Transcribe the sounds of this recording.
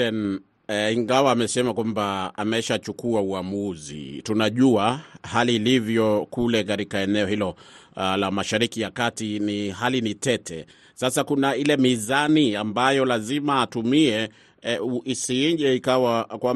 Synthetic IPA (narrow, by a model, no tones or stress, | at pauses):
ɛn | iŋɡawaːmɛsɛmakwambaa̰mɛʃat͡ʃukuauamuzḭtunaʄuahaliːlivjɔkulɛkaɾikaɛnɛɔhilɔlamaʃaɾikijakatiniɦalinitɛtʰɛ | sasakunailɛmizaniambajɔlazimaːtumiɛ | isiɲʄɛikawakwa